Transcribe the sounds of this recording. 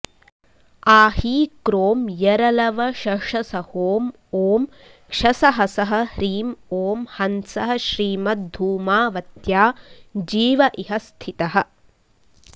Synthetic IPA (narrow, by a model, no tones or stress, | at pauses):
aːhiːkɾoːmjɐɾɐlɐʋɐʃɐʂɐsɐhoːm | oːm | kʂɐsɐɦɐsɐɦɐ̆hɾiːmoːmhɐnsɐɦɐ̆ʃɾiːmɐt̪̚b̪ʱuːmaːʋɐt̪jaːd͡ʒiːʋɐʔiɦɐst̪ʰit̪ɐɦɐ̆